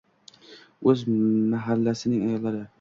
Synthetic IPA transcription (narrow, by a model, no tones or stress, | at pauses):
ɵzmaɦalːasɪnɪŋajɒlːaɾɪ